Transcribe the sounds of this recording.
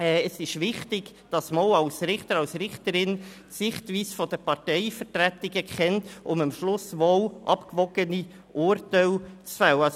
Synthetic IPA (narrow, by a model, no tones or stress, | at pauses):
ɛːəsɪʃʋɪχtɪɡ̥d̥ɑsmolɑlsɾɪχtəɾɑlsɾɪχtəɾɪn | sɪχtʋiːsfɔd̥̪əpɑʁtɛɪfəɾtɾætɪɡəkχɛntʊməmʃlʊsʋolʔɑpkvɔɡ̥əni | ʔʊɾtaɪlt͡sfæw